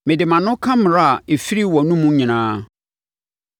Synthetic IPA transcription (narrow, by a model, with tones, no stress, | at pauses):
mɪ̃˨dɪ˨mã˨nʊ̃˦kʰã˦m˨ɾa˦a˨e˨fi˦ɾi˦wɔ˨nũ˦mũ˦ɲĩ˨nãː˦